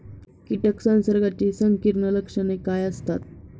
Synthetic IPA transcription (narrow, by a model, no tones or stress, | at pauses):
kiʈəksansəɾɡat͡ɕesəŋkiɾɳələkʂənekajəst̪a̰t̪̚